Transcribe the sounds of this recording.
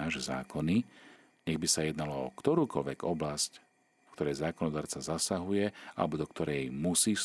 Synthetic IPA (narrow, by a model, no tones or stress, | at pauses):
aːʒɛza̰ːkɔni | ɲɛɣbisajɛd̪nalɔɔ̰kt̪ɔɾuːkɔʎʋɛɡɔblasc | fkt̪ɔɾɛjzaːkɔnɔd̪aːɾt͡sazasaɦujɛa̰lɛbɔd̪ɔkt̪ɔɾɛjmusiːs